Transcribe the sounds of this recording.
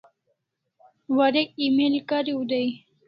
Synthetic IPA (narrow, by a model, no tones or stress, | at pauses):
waɾekimelkaɾiud̪aj